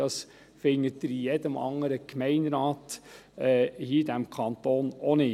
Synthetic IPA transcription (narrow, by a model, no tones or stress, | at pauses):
ɑs | fɪŋːətdəɾijɛdəmɑ̰ŋːəɾəkmɛɪnɾɑːt̪ɛhiːd̪æmkʰɑnt̪oːnonɪ